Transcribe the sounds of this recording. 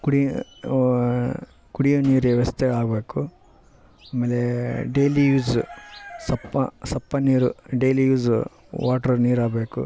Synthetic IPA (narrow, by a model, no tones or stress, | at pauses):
kuɽi | kuɽijoniːɾʋɐst̪eaːɡbeːku | aːmeːleɖeːlijuːz | sɐpːɐ̰sɐpːɐniːɾṵɖeːlijuːz | ʋaːʈɐɾniːɾaːɡbeːkṵ